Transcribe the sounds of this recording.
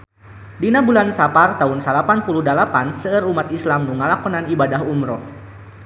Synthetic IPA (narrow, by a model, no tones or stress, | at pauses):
dinabulansapart̪aunsalapanpuluhdalapansəərumat̪islamnuŋalakɔnanibadaɦumɾɔ